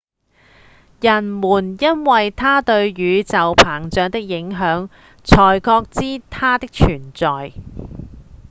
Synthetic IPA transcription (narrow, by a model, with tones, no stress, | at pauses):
jɐ˨˩nmuː˨˩njɐ˥nwɐ˨jt̪ʰaː˥t̪ɵ˧ɥɥyː˨˧t͡sɐ˨wpʰaː˨˩ŋt͡ʃœː˨˧ŋt̪ɪ˥k̚jɪ˨˧˥ŋɦœː˨˧˥ŋ | t͡sʰɔː˨˩jkɔː˧k̚t͡siː˥t̪ʰaː˥t̪ɪ˥k̚t͡ʃʰyː˨˩nt͡sɔː˨j